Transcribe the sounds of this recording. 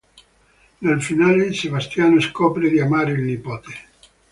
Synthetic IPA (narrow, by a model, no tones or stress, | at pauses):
nalfinaːled̪isebast̪jaːnoskɔːpɾed̪iamaːɾeilnipoːt̪e